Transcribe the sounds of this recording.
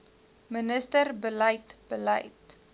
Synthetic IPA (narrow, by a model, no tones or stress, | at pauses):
mənəstərbəlɐjtb̥ələ̰jt